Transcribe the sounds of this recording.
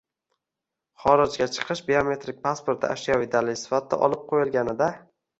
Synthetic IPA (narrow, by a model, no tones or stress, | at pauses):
χɒɾɪd͡ʒɡʲat͡ʃʰɨ̥qʰɨʃbeome̞t̪ɾɪk̚ʲpʰaspoɾt̪ʰɪ̰a̰ʃijavɪd̪alɪsɪ̥fat̪ʰːa̰ʔɒ̰lˠɪp̚qʰojɪlˠɡʲanɪd̪a